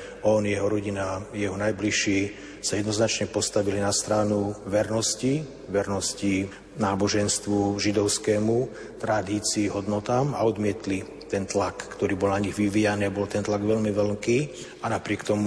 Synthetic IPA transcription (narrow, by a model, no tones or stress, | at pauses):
ɔnjɛɦɔɾɔɟinajɛɦɔnajbliʃiː | sajɛd̪nɔznat͡ʃɲɛpɔst̪aʋilinast̪ɾaːnuʋɛɾnɔsci | ʋɛɾnɔsci | naːbɔʒɛnst̪ʋuʒid̪ɔʊskɛːmu | t̪ɾad̪iːt͡siːɦɔd̪nɔt̪aːma̰ɔd̪mɪɛt̪li | t̪ɛnt̪lakːt̪ɔɾiːbɔlnaɲiɣʋiʋijaniːabɔlt̪ɛnt̪laɡʋɛʎmiʋɛlŋkiː | anapɾɪɛkt̪ɔmu